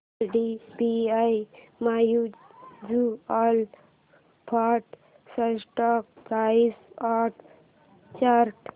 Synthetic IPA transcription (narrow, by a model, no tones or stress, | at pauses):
ɖibiaj | majud͡ʒual | pʰaʈ | səsʈɔk̚kaisaʈ | t͡ʃaɾʈ